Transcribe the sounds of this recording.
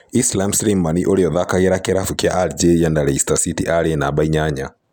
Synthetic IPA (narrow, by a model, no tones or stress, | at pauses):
islamsɾimːaniʔɔliɔðakaɡɛɾakɛɾafukia̰ʔald͡ʒɛandaɾɛistasitiʔaɾiɛnaɓaiɲaɲa̰